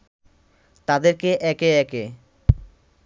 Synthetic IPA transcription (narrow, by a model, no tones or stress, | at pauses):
t̪ad̪eɾkeʔɛkeɛke